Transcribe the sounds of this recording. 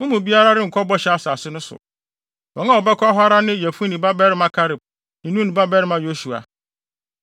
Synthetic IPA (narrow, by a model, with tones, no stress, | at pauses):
mʊ̃˦mũ˨bi˦a˦ɾa˦ɾɪ˦ŋ̩˨kʰɔ˦bɔ˦ɕɛ˨a˨sa˨sɪ˦nʊ̃˦sʊ̰˨ | bɔ̃˨ŋã˦ɔ˨bɛ˦kʰɔ˦a˦ɦa˦ɾa˦nɪ̃˦˨jɛ˨fu˦nĩ˨ba˦bɛ˦ɾɪ˦mã˨kʰa˦ɾɪ˨b̚ | nɪ̃˨nũ˦nĩ˨ba˦bɛ˦ɾɪ˦mã˨jo˦su˨a̰˨